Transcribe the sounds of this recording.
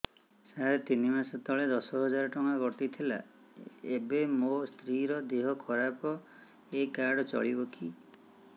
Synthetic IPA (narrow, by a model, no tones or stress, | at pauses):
saɦaɾet̪inimasɔt̪ɔɭed̪ɔsɔɦɔd͡ʒaɾɔʈɔŋaɡɔʈit̪ʰila̰ | ebemost̪ʰɾiɾɔd̪eɦɔkʰɔɾapɔ | ekaɽɔt͡ʃɔ̰ɭibɔki